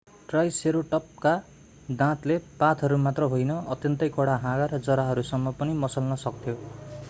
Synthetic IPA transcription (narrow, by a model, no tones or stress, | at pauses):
ʈrʌjseɾoʈʌp̚ka | d̪ãt̪lepat̪ʰʌɾumat̪rʌɦojnʌʌt̪jʌnt̪ʌjkʰoɽaɦãɡaɾʌd͡zʌɾaɦʌɾusʌmːʌpʌnimʌsʌlnʌsʌkt̪ʰjo